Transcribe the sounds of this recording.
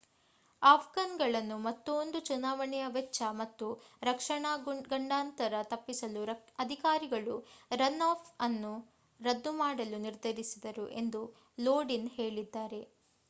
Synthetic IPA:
aːpʰɡɐnɡɐɭɐnːumɐt̪ːuond̪ut͡ʃunaːʋɐɳɛjɐʋɛt͡ʃːɐmɐt̪ːuɾɐkʂɐɳɐɡɐɳɖaːnt̪ɐɾɐt̪ɐpːisɐluɐd̪ʱikaːɾiɡɐɭuɾɐnːaːpʰɐnːu | ɾɐd̪ːumaːɽɐluniɾd̪ʱɐɾisid̪ɐɾuʔe̞nd̪u | loːɖinhe̞ːɭid̪ːaːɾe̞

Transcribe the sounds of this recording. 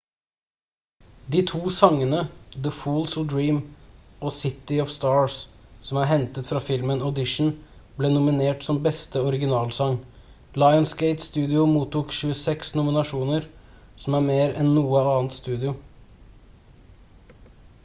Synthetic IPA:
d̪iːt̪ʰuːsɑŋːənəd̪əfuːlsld̪ɹiːmoːsɪt̪ɪɔʋst̪ɑːɹssɔmæːɾɦɛnt̪ət̪fɾɑfɪlmənɔd̪ɪʂɳ̩ | bleːnʊmɪneːʈsɔmbɛst̪əɔɾɪɡɪnɑːlsɑŋ | lɑɪɔnskɛɪt̪st̪ʉːd̪ɪʊmuːt̪uːkʃʉəsɛksnʊmɪnɑʂuːnəɾ | sɔmæːɾmeːɾɛnːuːəɑːnt̪st̪ʉːd̪ɪʊ

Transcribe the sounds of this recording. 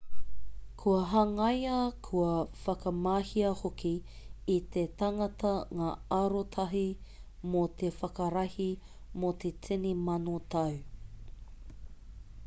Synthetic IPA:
kʰuɐɦɐŋɐjɐkʰuɐfɐkɐmaːhiɐhokʰiː | t̪etɐŋɐtɐŋaːɐɾotʰɐɦi | mot̪efɐkɐɾɐhi | mot̪ʰetʰenimɐnotʰɐw

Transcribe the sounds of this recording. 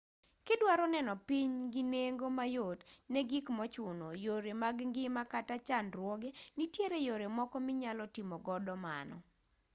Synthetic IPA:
kɪdwaɾɔnɛnɔpiɲɡineŋɡomajotnɛɡikmɔt͡ʃʊnojoɾemaɡŋɡɪmakatat͡ʃanɾwɔɡenitjeɾejoɾemɔkɔmɪɲalɔtɪmɔɡɔdɔma̰nɔ̰

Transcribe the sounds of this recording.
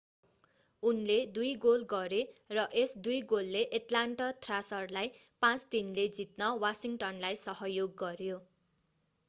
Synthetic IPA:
unled̪ujɡolɡʌɾerʌʔesd̪ujɡolːeʔeʈlaɳʈʌt̪rasʌrlajpãt͡sd̪inled͡zit̪nʌwasiŋʈʌnlajsʌɦʌjoɡːʌrjo

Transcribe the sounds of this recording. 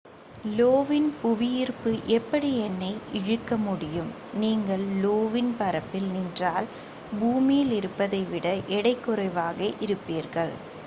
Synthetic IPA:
loːʋɪnpʊʋɪjɪrpɯʔɛpːɐɽiɛnːɐɪʔɪɻɯkːɐmʊɽɪjɯm | niːŋɡɐɭloːʋɪnpɐɾɐpːɪlnɪndraːl | buːmijɪlɪɾɯpːɐðɐɪʋɪɽɐʔɛɽɐɪkːɯɾɐɪʋaːɣɐʔɪɾɯpːiːɾɣɐɭ

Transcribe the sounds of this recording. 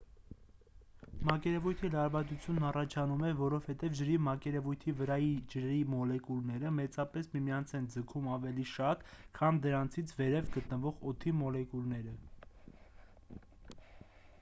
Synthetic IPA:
mɑkɛɾɛvujt̪ʰilɑɾvɑt͡sut͡sʰjunːɑrɑt͡ʃʰɑnumɛvɔɾɔv̥hɛt̪ɛvd͡ʒəɾimɑkɛɾɛvujt̪ʰivəɾɑjid͡ʒəɾimɔlɛkulnɛɾəmɛt͡sɑpɛsmimiɑnt͡sʰɛnd͡zəkʰumɑvɛliʃɑt̪kʰɑmd̪əɾɑnt͡sʰit͡sʰvɛɾɛvɡət̪nəvɔʁɔt̪ʰimɔlɛkulnɛɾə

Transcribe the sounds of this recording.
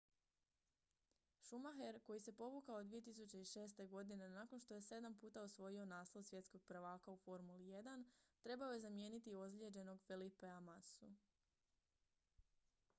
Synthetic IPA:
ʃumaxe̞ɾko̞jise̞po̞ʋukaod̪ʋije̞t̪isut͡ɕe̞iʃe̞ːst̪e̞ɡo̞d̪ine̞naːko̞nʃt̪o̞je̞se̞d̪ampuːt̪aosʋo̞jio̞naːslˠoʋsje̞t̪sko̞ɡ̚pɾaʋaːkaufo̞ɾmulije̞d̪ant̪ɾe̞bao̞je̞zamje̞ːnit̪io̞zlʲe̞d͡ʑe̞no̞ɡfelipeamasu

